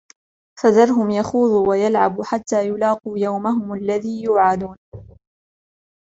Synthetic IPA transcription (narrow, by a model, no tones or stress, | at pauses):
faðɑɾˤɦʊmjaxuːðˤuːwajalʕabħat̪ːaːjʊlɑːquːjawmaɦʊmalːaðiːjuːʕad̪uːn